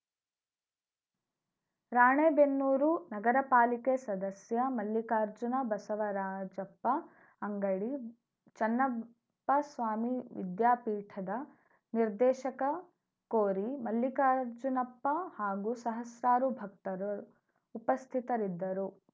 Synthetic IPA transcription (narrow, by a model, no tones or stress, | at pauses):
ɾaːɳeːbenːuːɾunɐɡɐɾɐpaːlikesɐd̪ɐsjɐmɐlːjikaːɾd͡ʒunɐbɐsɐʋɐɾaːd͡ʒɐpːɐ | ɐŋɡɐɭi | t͡ʃɐnːɐ | pːɐsʋaːmiʋḭd̪jaːpiːʈʰɐd̪ɐ | niɾd̪ɛːʃɐkɐ | koːɾimɐlːikaːɾd͡ʒunɐpːɐhaːɡusɐɦɐsɾaːɾubʱɐk̚t̪ɐɾu | upɐst̪ʰit̪ɐɾid̪ːɐɾu